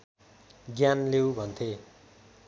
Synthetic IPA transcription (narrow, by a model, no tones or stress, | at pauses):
ɡjanlewbʱʌnt̪ʰe